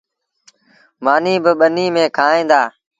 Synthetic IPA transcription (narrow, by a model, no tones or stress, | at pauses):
maːniːbəɓəniːmẽːkʰaːẽːd̪aː